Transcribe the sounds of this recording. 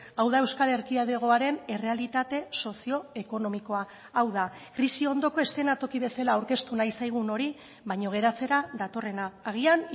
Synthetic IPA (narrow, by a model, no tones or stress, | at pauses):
awð̞ae̞wskale̞ɾkiaðe̞ɣ̞o̞aɾe̞ne̞re̞alit̪at̪e̞so̞sio̞e̞ko̞no̞miko̞aː | wða | kɾisio̞nd̪o̞ko̞e̞st̪e̞nat̪o̞kiβ̞e̞salaːwɾke̞st̪unajsajɣ̞uno̞ɾi | βajɲo̞ɣ̞e̞ɾat͡se̞ɾaðat̪o̞re̞naːɣ̞ian